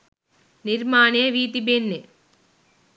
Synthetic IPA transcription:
niɾmaːneɐʋiːt̪ibenːe

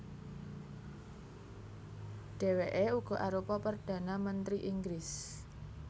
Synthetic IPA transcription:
ɖ̥e̤weʔeuɡ̥ɔ̤ʔaɾupɔpərd̥ä̤namənt̪ɾiʔiŋɡɾɪs

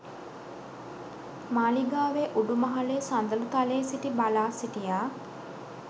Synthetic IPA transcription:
maːliɡaːʋeʔuɖumɐɦaleːsand̪ɐlut̪aleːsiʈibalaːsiʈijaː

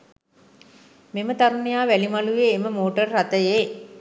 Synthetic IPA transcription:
memət̪aɾunijaːʋælimalujeːməmoːʈərːat̪əje

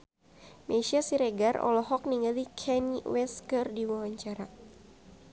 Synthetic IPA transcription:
mʔeʃiasiɾeɡarɔ̰lɔɦɔk̚niŋɡalikʰɛniwɛskərdiwawaɲt͡ʃaɾa

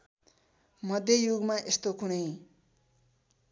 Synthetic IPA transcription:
mʌd̪ʱjʌjuɡmaʔest̪okunʌj

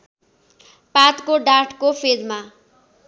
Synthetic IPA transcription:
pat̪koɖarʈʰkopʰedma

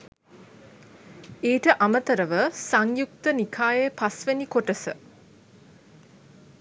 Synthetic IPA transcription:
eːʈəʔamət̪əɾəʋəsaŋjuk̚t̪ənikʰaːjepasʋenikoʈəsə

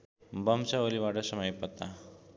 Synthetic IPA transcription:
bəmsaoliʋaɽasəməjpət̪a

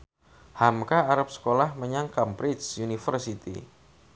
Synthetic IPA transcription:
hamkaaɾap̚sə̥kolahməɲaŋkampɾɪt͡ʃjunifərsit̪ḭ

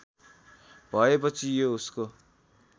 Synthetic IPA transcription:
bʱʌep̬ʌt͡sʰijousko

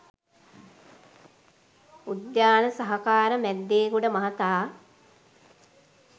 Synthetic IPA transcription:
ud̪jaːnəsɐɦɐkaːɾəmæd̪ːeːkuɽɖəmɐɦɐt̪aː

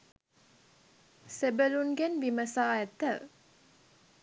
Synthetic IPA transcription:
sebəlunɡɛnʋiməsaːɛt̪ːəʋ

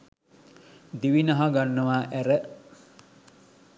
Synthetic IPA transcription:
d̪iʋinɐɦɐɡanːɐʋaːʔæɾə

